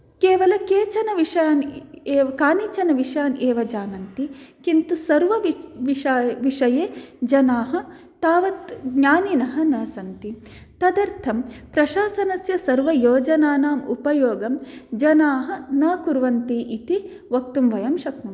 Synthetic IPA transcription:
keːʋɐlɐkeːt͡ʃɐnɐʋiʃjaːneːkaːnit͡ʃɐnɐʋiʂjaːneːʋɐd͡ʒaːnɐnt̪ikint̪usɐɾʋɐʋʋiɐʋiʂɐjeːd͡ʒɐnaːɦɐ̆ | t̪aːʋɐt̪ɡɲaːninɐɦɐ̆nɐsɐnt̪i | t̪ɐd̪ɐɾt̪ʰɐmpɾɐʃaːsɐnɐsjɐsɐɾʋɐjoːd͡ʒɐnaːnaːmupɐjoːɡɐmd͡ʒɐnaːɦɐ̆nɐːkuɾʋɐnt̪iːʔit̪i | ʋɐk̚t̪umʋɐjɐmʃɐk̪nɐm

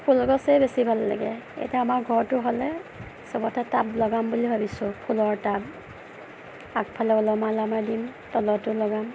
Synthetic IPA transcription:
pʰulɡɔsɛbesibʱalːa̰ɡɛḛjtɛamaɹɡʱɔɹtʊɦɔlɛ | sɔbɔtatablɔɡambulibʱabisʊ̃pʰulɔɹtab̚ | ak̚pʰalɛɔlɔmalamadimtɔlɔtʊlɔɡam

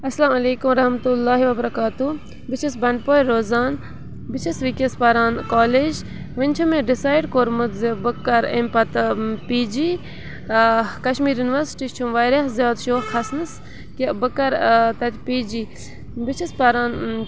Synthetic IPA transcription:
ɐslaːmɐleːkumɾɐhmɐt̪ulːaːɦiʋɐbɐɾɐkaːt̪u | bɪt͡ʃʰisbɐɳɖ̚poːjɾoːzaːn | bɪt͡ʃʰisʋikespɐɾaːnkaːleːd͡ʒ | ʋɪnʲt͡ʃʰumeɖɪsaːjɖkoːɾmut̪zebɨkːɐɾempɐt̪piːd͡ʒiː | kɐʃmiːɾjunʋɐɾsʈiːt͡ʃʰumʋaːjɾɐɦzʲjaːd̪ʃoːxɐsnɨs | kibɨkːɐɾt̪ɐt̪ʰʲpiːd͡ʒiː | bɪt͡ʃʰispɐɾaːn

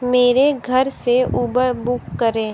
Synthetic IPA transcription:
meːɾeɡʱəɾseuːbəɾbʊkːəɾẽː

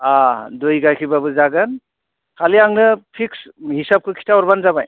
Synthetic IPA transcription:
adojɡajkʰibabɯzaɡɯn | kʰaliaŋnɯpʰikshisap̚kʰɯkʰi̥tʰawɔɾbanzabaj

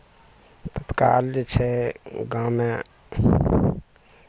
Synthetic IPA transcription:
t̪ət̪kaːld͡ʒet͡ʃʰeɡãːmẽ

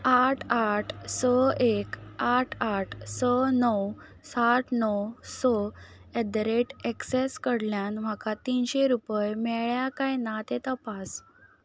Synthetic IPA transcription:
aʈʰaʈʰsəekaʈʰaʈʰsənəw | saʈʰnəwsə | ɛd̪ɾeʈekseskəɽljanm̤akat̪inɕeɾupəjmɛɭjakajnat̪et̪əpas

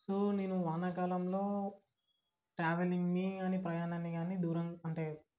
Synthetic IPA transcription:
suneːnuʋaːnɐkaːlɐmlo̞ː | ʈɾaːʋeliŋɡmiɐnipɾɐjaːnɐnːiɡaːnid̪uːɾɐŋɐɳʈeːɾu

